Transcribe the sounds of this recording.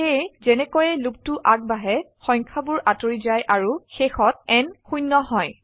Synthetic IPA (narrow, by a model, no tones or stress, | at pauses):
ezɛnɛkojɛluk̚tʊʔak̚baɦɛ | xɔ̃jŋkʰabʊɹʔatoɹizajʔaɹuxexɔt̚ɛnxujnːɔɦɔj